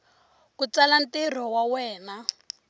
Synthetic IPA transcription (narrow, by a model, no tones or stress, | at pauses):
kut͡salantir̤ɔwawɛːna